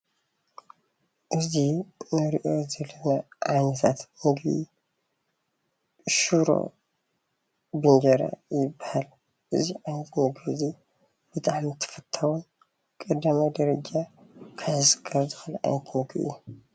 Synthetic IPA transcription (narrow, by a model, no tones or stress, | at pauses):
ʔɨzinɨɾiʔo̞zɐlːɐnaʕanɐt̪ʰat̪mɨɡbḭ | ʃuɾo̰ | bɨnd͡ʒɐɾa̰jɪbːahal | ʔɨ̰ziʕajnɐt̪mɨɡβizi | b̥ɨt̪ʼaʕmit̪ʰɨ̥fɐt̪ʰːawun | kʼɐd̪amajd̪ɐɾɐd͡ʒakʰazɨsɨ̥kʰːɐɾzɨxɨlʕa̰jnt̪ʰmɨɡḭʔɨ̰jːu